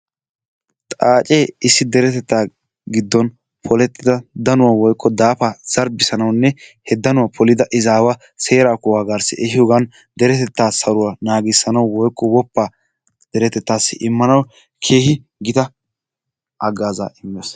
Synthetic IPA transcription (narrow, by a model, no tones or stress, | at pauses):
t̪ʼaːt͡ʃʼeːɪsːɪd̪ɛɾɛt̪ɛt̪ːaː | ɡɪd̪ːɔn | pʰɔlɛt̪ːɪd̪ɐd̪ɐnʊwawɔjkʰːɔd̪aːfaz̥ɐɾbɪsɐnɐwnːɛhɛd̪ɐnʊwɐpʰɔlɪd̪ɐʔɪzaːwɐ | seːɾaːkʊwaːɡaɾsɪʔɛhɪjɔɡɐn | d̪ɛɾɛt̪ɛt̪ːaːsɐɾʊwanaːɡɪsːɐnɐwwɔjkːɔwɔpːaː | d̪̥ɛɾɛt̪ɛt̪ːaːsːɪ̰ʔɪmːɐnɐw | kʰeːhɪ | ɡɪt̪ɐ | ʔɐɡaːza̰ːʔɪmːes